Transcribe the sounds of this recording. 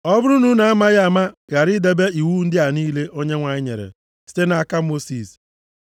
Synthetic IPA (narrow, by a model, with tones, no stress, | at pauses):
ɔ˦bʊ˦ɾu˦nu˦na˨a˦ma˦ɣa˨ma˦ɣa˨ɾɪ˦de˨be˦i˨wu˦n̩˦dɪ˦a˨niː˦le˦ʔo˦ɲe˦ŋʷa˨ɲɪ˦ɲḛ˨ɾḛ˨ | si̥˦te˦na˨a˦ka˦mo˦si˨s